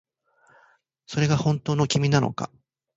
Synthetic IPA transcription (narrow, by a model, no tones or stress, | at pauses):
so̞ɾe̞ɡahõ̞nt̪o̞ːno̞kʲimʲinano̞̰ka̰